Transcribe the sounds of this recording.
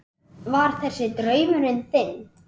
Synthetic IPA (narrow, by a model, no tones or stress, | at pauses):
vaɾ̥θɛsːɪt̪ɾœːɥmʏɾɪnθɪn